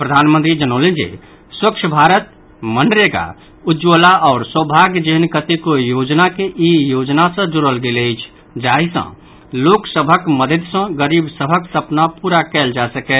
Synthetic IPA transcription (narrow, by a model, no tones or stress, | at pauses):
pɾəd̪ʱaːnmə̃nt̪ɾid͡ʒənoːlẽd͡ʒḛː | swəkʃʰbʱaːɾət̪ | mənɖɾeɡa̰ | ʊd͡ʒoːlaɔːɾswəbʱaːɡd͡ʒeɦnkət̪ikojoːd͡ʒnakeʔijoːd͡ʒnasə̃d͡ʒʊɾəlɡeleɪt͡ʃʰ | d͡ʒaːɦisə̰̃ | loːksəbʱəkməd̪ʱəd̪sə̃ɡəɾiːbsəbʱəksɐpnapuːɾakɛːld͡ʒasəkɛ